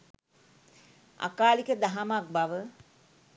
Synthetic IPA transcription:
a̰kaːlikəd̪aɦamak̚baʋə

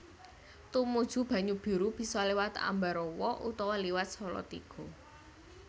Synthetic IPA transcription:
t̪umud̥ʒ̥ṳb̥ä̤ɲub̥i̤ɾub̥i̤sɔlewat̪a̰mbaɾɔwɔʔṵt̪ɔwɔliwat̪̚sɔlɔ̰t̪ḭɡ̥ɔ̤

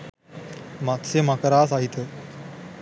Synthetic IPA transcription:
mat̪semakəɾaːsaɦit̪ə

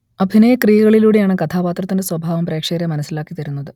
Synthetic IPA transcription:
ɐbʱinɐjɐkrijɐɣɐɭiluːɽejaːɳɨkɐt̪ʰaːpaːt̪rɐt̪ːinde̞swɐbʱaːʋɐmpre̞ːkʂeːɾɐmɐnɐsːilaːkːit̪ɐɾunːɐðɨ

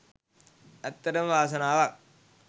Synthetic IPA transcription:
ɐt̪ːɐɾɐmʋaːs̬ɐnaːʋaːk̚

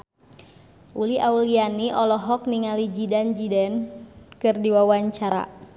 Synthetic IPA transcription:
ʔuliʔaulianiʔɔlɔɦɔk̚niŋalid͡ʒidand͡ʒidɛnkɨrdiwawaɲt͡ʃaɾa̰

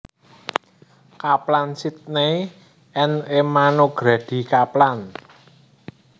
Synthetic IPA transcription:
kaplansit̪̚nej | ʔɛnemanoɡ̥ɾad̥i̤kaplan

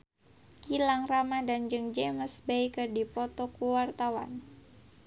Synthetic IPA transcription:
kilaŋramadand͡ʒɨŋd͡ʒeməsbaikɨrdipɔt̪ɔkuwart̪awa̰n

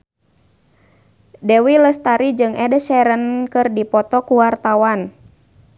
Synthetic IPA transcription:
dewiləst̪aɾid͡ʒɨŋɛdəsɛɾənkɨrdipɔt̪ɔkuwart̪awan

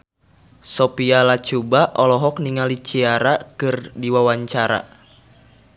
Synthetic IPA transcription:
sɔpialat͡ʃubaʔɔlɔɦɔkniŋalit͡ʃiaɾakɨrdiwawaɲt͡ʃaɾa̰

